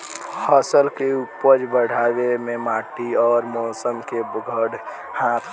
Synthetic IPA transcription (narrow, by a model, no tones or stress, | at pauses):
həsəlkeupːəd͡ʒbəɽ̤ʱaːwemẽmaːʈiɔːɾmɔːsəmkeɡʱəɽ | hãt̪ʰ